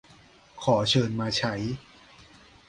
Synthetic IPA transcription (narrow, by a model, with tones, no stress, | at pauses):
kʰɔː˩˦t͡ɕʰɤː˧nmaː˧t͡ɕʰa˦˥j